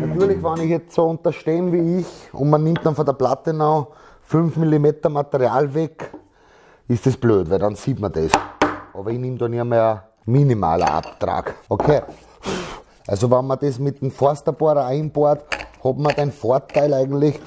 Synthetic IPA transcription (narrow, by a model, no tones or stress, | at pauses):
nat̪yːɐlɪçʋɑnɪçjɛt͡stsoʊ̃nt̪ɐʃteːnviːɪçʊ̰ndmɐnɪ̃mt̚d̥ɑ̃nfɔndɐplat̪ənɔ | fʏnfmilimeːtɐmat̪əʁiaːlvɛk | ɪsd̥esb̥løːtvældɑnsiːtmɐd̥esʔɑbɐɪnɪmd̪oːniɐmɛə | minima̰ːlɐ̰ʔa̰pt̪ʁa̰ːɡ̥okʰeː | ʔalsoʋanmɐd̥esmɪt̪̚d̥emfɔɐstɐb̥oɐɾɐæɪnboɐthobmɐdæɪnfoɐtʰaɪlæɪɡŋn̩tlɪç